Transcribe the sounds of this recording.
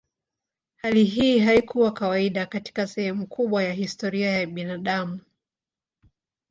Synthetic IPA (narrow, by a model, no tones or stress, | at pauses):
haliɦiːɦaikʰuwakawaiɗakati̥kasɛhɛmukʰuɓwajahistɔɾiajaɓinaɗamu